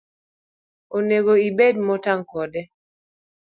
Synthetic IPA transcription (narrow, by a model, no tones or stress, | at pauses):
oneɡoibedmɔtaŋkɔdɛ